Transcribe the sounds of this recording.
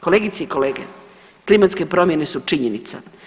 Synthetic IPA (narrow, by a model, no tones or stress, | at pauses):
koleːɡit̪seiko̞leːɡḛ | klimat̪skepɾo̞mje̞ne̞sut͡ʂiɲenit̪sa̰